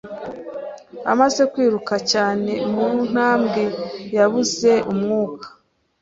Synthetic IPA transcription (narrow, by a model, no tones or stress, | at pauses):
a̰maze̞kwiːɾukacaːne̞mun̥haːmɡejaβuze̞ʔumŋuːkḁ